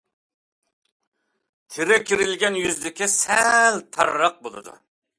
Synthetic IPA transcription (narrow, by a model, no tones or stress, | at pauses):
t̪ʰɪɾɛkʲʰiɾɪlɡʲɛnjyzd̪ɪkʲɪsɛlt̪ʰɑɾːɑq̚bolˠɨ̰d̪ṵ